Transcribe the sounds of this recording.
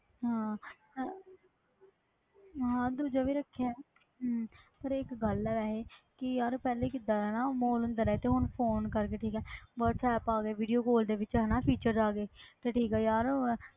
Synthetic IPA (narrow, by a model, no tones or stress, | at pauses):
ɦãː | ɦãːd̪uːd͡ʒaːʋiːɾəkʰːa | ɦpəɾɪkɡəlɛːɛːɦeːkɪjaːɾpɛːlekɪd̪aːɛːnaːmoːlənd̪əɾɛːt̪eːɦʊnpʰoːnkəɾkeːʈʰiːkɛːbɔːt̪t͡ʃʰɛːpaːɡeːʋiːɖijoːkoːld̪eːʋɪt͡ʃɦɛːnaːpʰiːt͡ʃəɾd͡ʒaːɡeːt̪eːʈʰiːkɛːjaːɾ